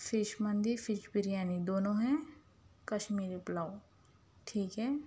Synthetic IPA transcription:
fʰɪʃmɐ̃nd̪ifɪʃbɪɾjaːnid̪oːnõɦɛ̃ | kɐʃmiːɾiplaːw | ʈʰiːkɦɛː

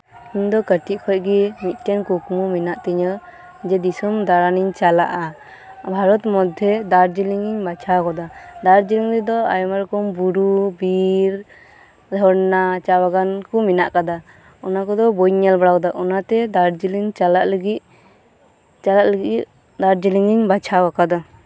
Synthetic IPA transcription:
iɲd̪ɔkəʈiʔ̚kʰɔc̚ɡɛmit̪̚ˀt̪ɛnkukmuminaʔt̪iɲa | d͡ʒɛd̪isɔmd̪aɾaniɲt͡ʃala̰ʔa | bʱaɾɔt̪mɔd̪ʱjɛd̪aɾd͡ʒiliŋiɲbat͡ʃʰakɔd̪ad̪aɾd͡ʒiliŋlɛd̪ɔa̰jmaɾkɔmbuɾubiɾ | d̪ʱɔɽnat͡ʃawaɡankɔminaʔkad̪a | ɔnakɔd̪ɔbɔjɲalbaɽawd̪aʔɔnat̪ɛd̪aɾd͡ʒiliŋt͡ʃalaʔləɡit̪̚ | t͡ʃalaʔləɡit̪̚ | d̪aɾd͡ʒiliŋiɲbat͡ʃʰawakad̪ɔ

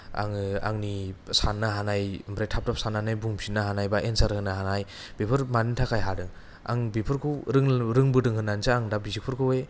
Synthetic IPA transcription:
a̰ŋɯa̰ŋnisanːaɦanajmbɾajtʰap̚tap̚sanːanajbuŋsʰinːaɦanajbaʔensaɾhɯnaɦanaj | b̥ipʰɯɾmanintʰakʰajɦadɯ | a̰ŋbipʰɯɾkʰɯɾɯŋɾɯŋbɯdɯŋhɯnːanzaaŋdabizik̚pʰɯɾkʰɯwe

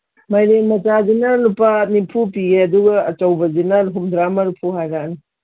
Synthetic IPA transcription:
majɾemɐt͡ʃazinalupanipʰupiɡeɐduɡɐːt͡ʃɐwbɐzinanɦumdɾamɐɾpʰuɦajɾani

